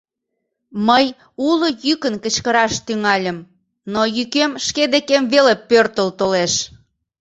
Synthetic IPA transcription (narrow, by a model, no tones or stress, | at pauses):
məj | ulojykənkət͡ɕkəɾɑʃt̪yŋɑlʲəm | nojykemʃked̪ekemβelepørt̪əlt̪oleʃ